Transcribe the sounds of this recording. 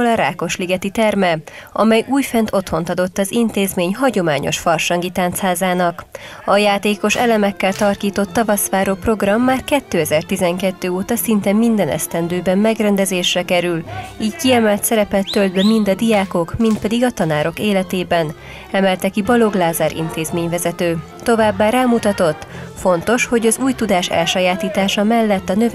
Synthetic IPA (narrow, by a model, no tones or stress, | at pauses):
olɒɾa̰ːko̞ʃliɡɛt̪it̪ɛrmɛɒ̰mɛjuːjfɛnt̪o̞t̪ho̞nt̪ɒd̪o̞t̪ːɒzint̪eːzmeːɲɦɒɟo̞maːɲo̞̰ʃfɒrʃɒŋɡit̪aːnt̪shaːzaːnɒk | ɒjaːt̪eːko̞ʃɛlɛmɛkːɛlt̪ɒrkiːt̪o̞t̪ːɒvɒsʋaːɾoːpro̞ɡrɒmːaːrkɛt̪ːøːɛzɛrt̪izɛŋkɛt̪ːøːoːt̪ɒsint̪ɛmːind̪ɛnɛ̰st̪ɛnd̪øːbɛmːɛɡrɛnd̪ɛzeːʃrɛkɛɾyliːɟkiɛmɛlt̪sɛɾɛpɛt̪ːøld̪bɛmind̪ɒd̪ijaːko̞kmint̪̚pɛd̪iɡɒt̪ɒnaːɾo̞keːlɛt̪eːbɛn | ɛmɛlt̪ɛkibɒlo̞ɡlaːzaːɾʔḭnt̪eːzmeːɲvɛzɛt̪øː | t̪o̞vaːbːaːɾaːmut̪ɒt̪o̞t̪ːfo̞nt̪o̞ʃho̞ɟɒzuːjt̪ud̪aːʃɛ̰lʃɒjaːt̪iːt̪aːʃɒmɛlːɛt̪ːɒnø